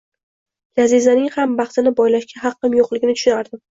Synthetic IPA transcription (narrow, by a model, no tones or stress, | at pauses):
lazizanɪŋhambɑχt̪ɪnɪbɒjlaʃkʲʰaɦɑqːɨmjoqlˠɪɡʲɪnɪt̪ʊ̥ʃʊnaɾd̪ɪm